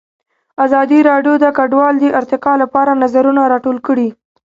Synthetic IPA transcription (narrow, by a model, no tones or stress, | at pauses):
azɑd̪iɾɑɖjod̪əkaɖwɑld̪əʔɪɾt̪ɪqɑlapɑɾanazaɾunaɾɑʈolkəɽi